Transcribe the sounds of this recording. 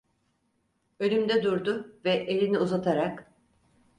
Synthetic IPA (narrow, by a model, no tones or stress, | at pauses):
ø̞lʲymd̪ɛd̪uɾd̪ʊvɛʔelʲiniuzat̪ʰaɾak